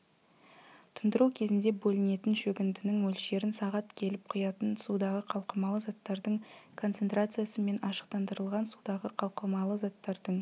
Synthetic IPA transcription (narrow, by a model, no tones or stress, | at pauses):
t̪ʰənd̪əɾuwkʲʰe̞zɪnd̪e̞bɵlɪne̞t̪ɪnʃɵɡʲɪnd̪ɪnɪŋwɵlʃe̞ɾɪnsɑʁɑt̪kʲʰe̞lɪp̚qʰʊjɑt̪ənsud̪ɑʁəqʰɑlˠqəmɑlˠəzɑt̪ːɑɾd̪əɴkʰo̞nt̪se̞nt̪ɾat̪sɨjasəme̞nɑʃə̥qt̪ɑnd̪əɾəlˠʁɑnsud̪ɑʁəqʰɑlˠqəmɑlˠəzɑt̪ːɑɾd̪əɴ